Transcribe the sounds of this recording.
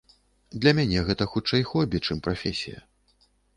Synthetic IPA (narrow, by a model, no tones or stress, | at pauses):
d̪lʲɐmʲanʲɛɣɛt̪ɐxut͡ʂɛjxɔbʲit͡ʂɨmpɾafʲɛsʲḭjɐ̰